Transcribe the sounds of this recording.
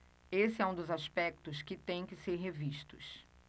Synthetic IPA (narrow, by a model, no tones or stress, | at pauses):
esɪɛũd̪ʊzaspɛk̚t̪ʊskɪt̪ẽj̃kɪseɾɦeviʃt̪ʊ̰s